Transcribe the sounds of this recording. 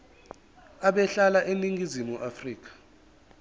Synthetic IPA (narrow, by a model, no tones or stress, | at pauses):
aɓɛɬalaʔeniŋɡʱizimuʔafriːk̬ḁ